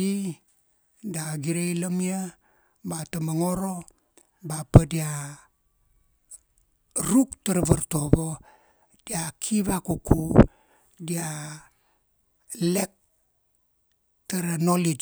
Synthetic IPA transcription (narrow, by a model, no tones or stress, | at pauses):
i | daɡiɾejlamia | batamaŋoɾo | bapədia | ɾuktaɾaβaɾtobo | d̥iakʰiβakuku | dia | lek̚ | taɾanolid͡ʒ